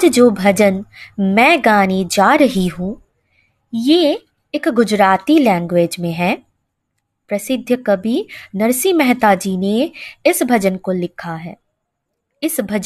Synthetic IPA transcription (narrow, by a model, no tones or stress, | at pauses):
d͡ʒd͡ʒoːbʱɐd͡ʒənmɛ̃ːɡaːnid͡ʒaːɾɐɦiɦũː | je | ɪkɡʊd͡ʒɾaːt̪ilɛ̃ːŋɡweːd͡ʒmẽɦɛː | pɾɐsɪd̪ʱjəkɐbʱinɐɾsimɛɦt̪aːd͡ʒiːneɪsbʱɐd͡ʒənkolɪkʰaɦɛː | ɪsbʱɐd͡ʒ